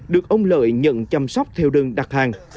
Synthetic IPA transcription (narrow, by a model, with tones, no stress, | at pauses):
ɗɨ˨˩ək̚ʔə˧wŋ͡mlə̰ː˧˨jɲə̰˧˥nt͡ɕa˧msa˦˥wk͡p̚t̪ʰɛ˧wɗɨ˨˩əŋɗa˨˩k̚haː˨˩ŋ